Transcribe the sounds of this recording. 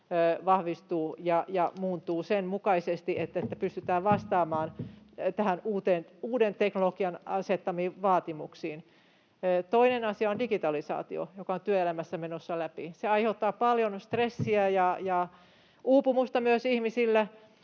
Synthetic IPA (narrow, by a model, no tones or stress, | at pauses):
ʋɑhʋist̪uːjɑjɑmuːnt̪uːsenmukɑisest̪iet̪ːet̪ːæpyst̪yt̪æːʋʋɑst̪ɑːmɑːnt̪æhænuːt̪enuːdent̪eknolokiɑnɑset̪ːɑmiːʋɑːt̪imuksiːnː | t̪oinenɑsiɑondikit̪ɑlisɑ̰ːt̪io̰jokɑont̪yøelæmæsːæmenosːɑlæpiseɑiheut̪ːɑːpɑljonst̪resːiæjɑjɑ | uːpumust̪ɑmyøsihmisilːæ